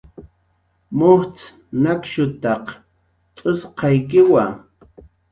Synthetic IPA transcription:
mʊht͡s | nakʃʊt̪ɑq | t̪ʼʊsqʰɑjkɪwa

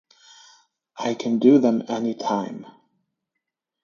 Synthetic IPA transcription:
ʔaɪkʰɨ̃ndɨðɨ̃mɛnitʰãɪ̃m

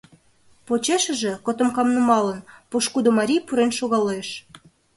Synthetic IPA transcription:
pot͡ɕeʃə̆ʒĕkot̪ŏmkɑmnumɑlə̆npoʃkud̪omɑɾʲijpuɾenʃoɣɑloeʃ

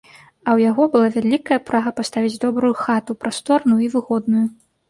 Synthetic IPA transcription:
ɐwjaɣɔbɨlˠavʲalʲikɐjɐpɾaɣɐpast̪avʲid͡zʲd̪ɔbɾujuxat̪upɾast̪ɔrnujuivɨɣɔd̪nuju

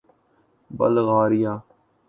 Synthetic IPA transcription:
bə̰lɣaːɾɪjaː

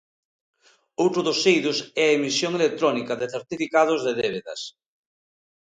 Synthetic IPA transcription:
owt̪ɾʊðosejðʊsɛɐemisjoŋelek̚t̪ɾɔnikɐðeθeɾt̪ifikað̞ʊzðeðeβ̞eðɐ̰s

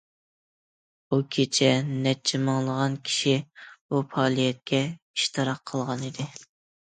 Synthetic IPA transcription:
ukʲʰet͡ʃʰɛnɛt͡ʃʰːimɑŋlˠəʁɑnkʲʰi̥ʃibupʰɑːlˠijɛt̪̚kʲɛ | i̥ʃt̪ʰɨɾɑqʰəlˠʁɑnid̪ɪ

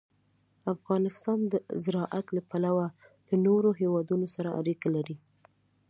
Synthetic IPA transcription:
afɣɑnɪst̪ɑnd̪əzɪɾɑʔat̪lapalawalanoɾoɦewɑd̪unosaɾaa̰ɾikalaɾi

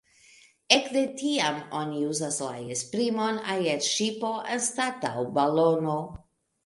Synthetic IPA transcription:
ekdetiamoniuzasla̰espɾimonajeɾʃipoʔenstata̰wbalono

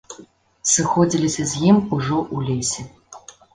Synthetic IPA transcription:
sɨxɔd͡zʲilʲisʲɐzʲjimuʐɔʔulʲesʲɛ

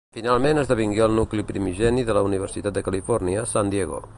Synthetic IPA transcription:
finalˠmenəzðəβ̞iŋɡeəlˠnuklipɾimiʒɛniðələuniβ̞ərsit̪at̪̚d̪əkəlifɔrniəsand̪jeɣo̰

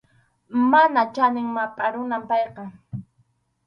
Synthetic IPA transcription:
manat͡ʃanɪŋmapʼaɾʊnampɑjqɑ

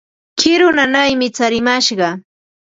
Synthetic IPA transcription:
t͡ʃɪɾʊnanajmɪt͡saɾɪmaʃɢɑ

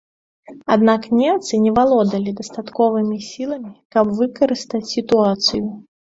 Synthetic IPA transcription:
ad̪naknʲɛmt̪sɨnʲɛvalˠɔd̪ɐlʲid̪ɐst̪at̪kɔvɨmʲisʲilˠɐmʲikɐbvɨkɐɾɨst̪ɐt͡sʲsʲit̪uat̪sɨju

